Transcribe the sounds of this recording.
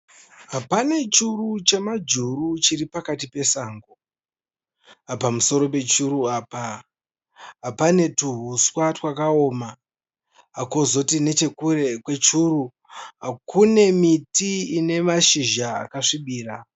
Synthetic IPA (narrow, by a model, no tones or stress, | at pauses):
ɦapane̞t͡ʃurut͡ʃe̞mad͡ʒurut͡ʃiripakatipe̞saːŋɡo | apamuso̞ɾo̞pe̞t͡ʃuɾuaːpa | ɦapane̞tuɦuswatwakao̞ːma | akozo̞tine̞t͡ʃe̞kuɾe̞kwe̞t͡ʃuɾu | ɦakune̞mitiine̞maʃiʒaa̰kaʂiɓiːra